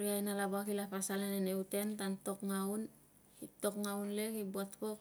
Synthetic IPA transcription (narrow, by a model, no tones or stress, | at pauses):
ɾiajnalabakilapasaleneneute̞ntanto̞kŋawn | itokŋaunlekibuatkok̚